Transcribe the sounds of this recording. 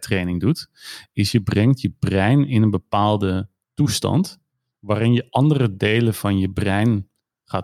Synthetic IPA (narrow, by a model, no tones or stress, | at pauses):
trejnɪŋdutɪsjəbrɛŋtjəbrɛjnɪnənbəpaːlˠdə | tustɑ̰nt | ʋaːrɪnjəʔɑndərədeːləvɑnjəbrɛjn | χaː